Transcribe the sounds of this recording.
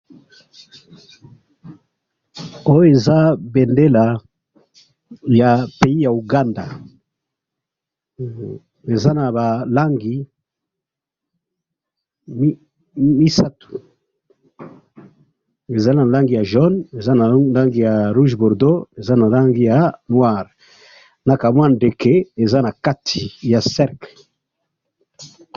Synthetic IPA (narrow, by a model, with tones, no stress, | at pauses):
o˦jo˦e˨za˦bɛ˨nde˦la˨ | ja˨pe˨i˦ja˨u˨ɡa˦nda˨ | e˨za˦na˨ba˨la˦ŋɡi˨ | m˦ | mi˦sa˦tu̥˨ | e˨za˦na˨la˦ŋɡi˨ja˨ʒɔ˦ne˨za˦na˨la˦ŋɡi˨ja˨ʁu˦ʒbɔ˨ʁdo˦e˨za˦na˨la˦ŋɡi˨ja˨nwa˦˨ʁ | na˨ka˨mwa˦nde˨ke˦e˨za˦na˨ka˦tʰi˨ja˨sɛ˦ʁkl